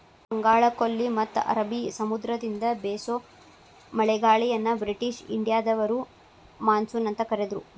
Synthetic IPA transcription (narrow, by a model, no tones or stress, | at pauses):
bɐŋɡaːɭɐkolːimɐt̪ːʔɐ̰ɾɐbisɐmud̪ɾɐd̪ind̪ɐbeːso | mɐɭɛɡaːɭijɐnːɐbɾiʈiʃḭɳɖijaːd̪ɐʋɐɾu | maːnsuːnɐnt̪ɐkɐɾed̪ɾu